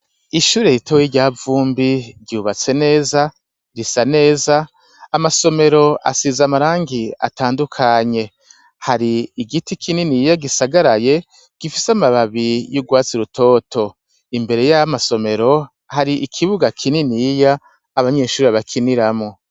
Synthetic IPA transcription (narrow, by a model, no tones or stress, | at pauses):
iʃuːɾejitowiɾɟaːvuːmbiɾɟuːβat͡se̞ne̞ːza | ɾisane̞ːzaː | maso̞me̞ɾo̞ʔa̰sizamaɾaːŋɡia̰taːndukʰaɲe̞ | haɾiːɡitikʰininijaɡisaɡaɾaje̞ | ɡ̥ifisamaβaβijuɡwaːt͡siɾutʰo̞ːtʰo̞ | imbe̞ɾe̞jamaso̞me̞ɾo̞ | haɾiʔikʰiβuɡakʰininijaː | βaɲe̞ːʃuːɾeβakʰiniɾamo̞